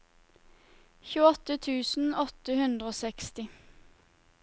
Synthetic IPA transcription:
çʉːəɔt̪ət̪ʰʉːsn̩ɔt̪əhʉnd̪ʁəoːsɛkst̪ɪ

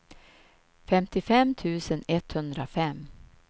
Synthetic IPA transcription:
fɛmt̪ɪfɛmt̪ʰʉ̟ːsənɛt̪hɵnd̪ɾafɛm

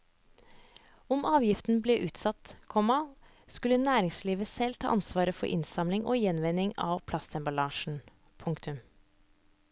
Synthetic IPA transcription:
ɔmʔɑːʋjɪft̪n̩bleːʔʉːt̪sɑt̪kʰɔmɑ | skʉlːənæːɾɪŋsliːʋəsɛlt̪ʰɑ̰ːʔɑnsʋɑːɾəfɔ̰ɾʔɪ̰nsɑmlɪŋʔo̰ːjɛnʋɛnɪŋɑ̰ːʋpʰlɑst̪ʰɛmbɑlɑːʃn̩ | pʰʊŋkt̪ʉm

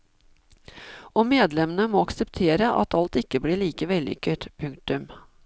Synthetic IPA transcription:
ʔoːmeːd̪lɛmənəmoːɑksəpt̪ʰeːɾəʔɑ̰t̪ʰɑlt̪ɪkːəbliɭiːkəʋɛlʏ̰kəʈpʰʉŋkt̪ʉm

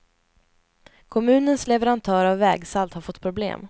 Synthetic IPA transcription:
kʰɔmʉ̟ːnənslɛvɛɾant̪ʰœːɾavːɛːɡsalt̪haɾfɔt̪ːpʰɾʊblḛːm

